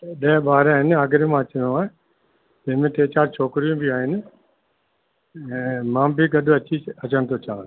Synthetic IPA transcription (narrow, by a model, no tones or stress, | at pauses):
ɗɐːbaːɾaːɦɪnɪaːɡɪɾimãːɐt͡ʃənõaːe | d͡ʒɪmẽʈ̪eːt͡ɕaːɾt͡ʃʰoːkɾijũbʱiaːɦɪnɪ̆ | ɛ̃ːmãːbʱiɡɐd̪ʱʊɐt͡ɕiɐt͡ʃənt̪ʰot͡ʃaːn